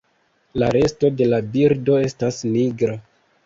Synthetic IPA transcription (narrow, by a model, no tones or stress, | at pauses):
laɾe̞sto̞de̞labiɾdo̞e̞stasniɡɾa